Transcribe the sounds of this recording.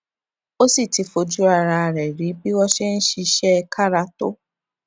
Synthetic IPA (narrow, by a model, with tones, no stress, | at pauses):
o˦si˦˨ti˧˦fo˧d͡ʒu˦a˦˧ɾa˧a˨ɾɛ˨ɾi˨˦bi˦wɔ˦ʃɛ˦n̩˦ʃi˧ʃɛ˦ɛ˧kʰa˦˨ɾa˧to̰˦